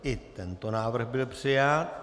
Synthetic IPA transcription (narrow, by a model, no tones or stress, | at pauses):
ʔɪt̪ɛnt̪onaːvr̩xbɪlpr̝̥ɪjat̪̚